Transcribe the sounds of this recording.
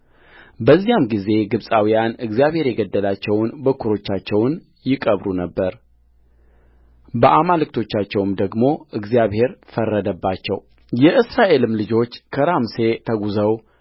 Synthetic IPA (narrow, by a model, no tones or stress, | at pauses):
bəzːijamɡize̞ɡɨβsʼawijanɨɡzijaβhe̞ɾjɛɡəd̪ːəlat͡ʃːɛwnbəkʰːuɾo̞t͡ʃːat͡ʃːɛwn | jɪkʼəβɾunəbːəɾ | bəʔamalɨk̚t̪ʰo̞t͡ʃːat͡ʃːɛwmd̪əɡmo̞ʔɨɡzijaβhe̞ɾfərːəd̪əbːat͡ʃːɛ̰w | jɛʔɨsɾaʔe̞lɨmlɨd͡ʒo̞t͡ʃːkʰəɾamse̞t̪ʰəɡuzəw